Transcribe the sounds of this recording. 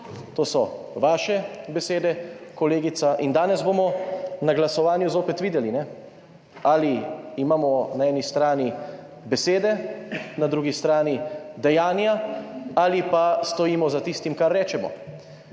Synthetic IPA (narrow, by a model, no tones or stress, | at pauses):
t̪oːsɔ | ʋaːʃɛbɛseːd̪ɛkɔleːɡit̪saʔind̪aːnɛzboːmɔnaɡlasɔʋaːnjuzoːpɛt̪ʋiːd̪ɛlinɛ | aliimaːmɔnaɛːnist̪ɾaːni | bɛseːd̪ɛnad̪ɾuɡist̪ɾaːnid̪ɛjaːnjaalipast̪ɔjiːmɔzat̪ist̪imkaɾːɛːt͡ʃɛmɔ̰